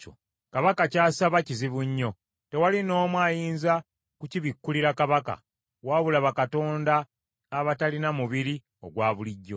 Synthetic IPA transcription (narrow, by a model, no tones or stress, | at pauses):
o | kaβakacaːsaβaciziβuɲːo̞ | te̞walino̞ːmwaːjiːnza | kuciβikːuliɾakaβaka̰ | waːβulaβakato̞ːndaː | βatalinamuβiɾi | o̞ɡwaːβuliɟːo̞